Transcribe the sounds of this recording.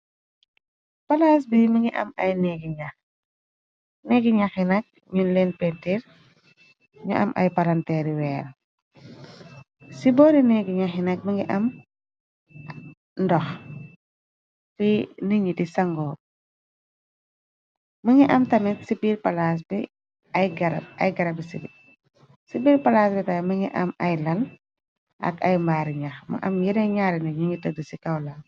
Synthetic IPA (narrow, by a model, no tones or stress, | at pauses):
pɐlas̬biməŋiʔɐ̰mɐ̰jnɛɡiɲɐ | nɛɡiɲaxinɐk̚ | ɲunlɛnpɛntiɾ | ɲṵʔɐ̰mʔɐ̰jpɐlɐntɛːɾiwɛːɾ | sibɔɾinɛɡiɲaxinɐk̚məŋɡiʔɐm | ndɔx | finiɲitisɐŋɡɔː | məŋɡiʔɐmtɐmitsibiːɾpɐlas̬bi | ɐjɡɐɾɐ̰jɡɐɾɐbisibi | sibiːɾpɐlasbitaməŋɡiʔɐ̰mɐjlɐl | ʔɐ̰kɐjmbaːɾiɲɐxmɐ̰ʔɐmjidɐjɲaːɾɛnɛɲuŋitədisikɐwla